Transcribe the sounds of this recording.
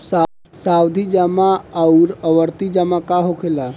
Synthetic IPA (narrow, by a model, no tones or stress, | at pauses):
sa | sawd̪ʱid͡ʒamaawɾəʋəɾt̪id͡ʒamakaɦokʰela